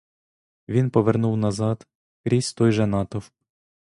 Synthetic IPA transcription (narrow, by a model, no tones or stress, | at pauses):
ʋʲinpɔʋernuwnɐzɑd̪ | kɾʲisʲt̪ɔjʒɛnɑt̪ɔw